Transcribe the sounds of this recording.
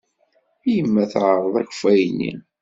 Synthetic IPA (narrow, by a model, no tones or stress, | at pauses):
jəmːæθʕəɾˤəðˤæç̥fæjnːḭ